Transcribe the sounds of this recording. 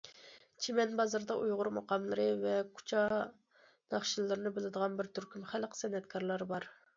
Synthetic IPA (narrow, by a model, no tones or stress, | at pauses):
t͡ʃʰemɛnbɑzɑɾd̪ɑʔujʁʊɾmɑqɑmlˠɨɾɨvɛkʰu̥t͡ʃʰɑ | nɑχʃilˠːɨɾɨnɨbɪlɪd̪əʁɑnbɪɾt̪ʰyɾkʲymχælqʰə̥sɛnːɛt̪kʰɑɾlˠɑɾbɑɾ